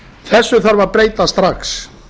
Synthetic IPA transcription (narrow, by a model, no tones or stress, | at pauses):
θɛsːʏθaɾvaɾpɾeːjt̪ast̪ɾaks